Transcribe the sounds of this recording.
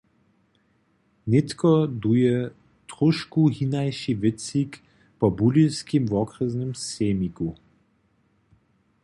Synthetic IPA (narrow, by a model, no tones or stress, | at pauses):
net̪kɔd̪ujɛ | t̪ʁuʃkuɦinajʃivɪt͡sik | pɔbuliwskimvɔkɾəznɘmseːmiku